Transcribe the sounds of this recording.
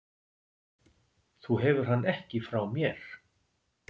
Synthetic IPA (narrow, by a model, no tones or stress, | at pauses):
θuɦɛvʏɾ̥ɦanːɛhcɪfɾawmjɛɾ̥